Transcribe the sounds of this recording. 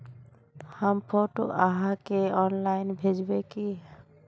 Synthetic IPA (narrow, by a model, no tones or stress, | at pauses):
həmpʰoːʈo̰ʔaɦãkeɔːnlaːɪnbʱeːd͡ʒbekiɦ